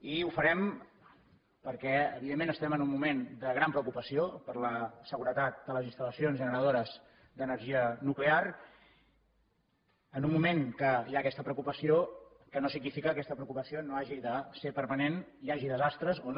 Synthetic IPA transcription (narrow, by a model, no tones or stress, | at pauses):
iufəɾɛm | pəɾkɛə̰βiðemːenəst̪ɛmənumːumend̪əɣɾampɾəwkupəsiopəɾləsəɣuɾət̪at̪̚d̪ələzinst̪ələsionzʒənəɾəð̞oɾəz̥ | d̪ənəɾʒiənuklear | ənumːumeŋkəiakɛst̪əpɾəukupəsio | kənosiɡnifikəːkɛst̪əpɾəukupəsionoaʒiðəsepəɾməneniaʒiðəzast̪ɾəzon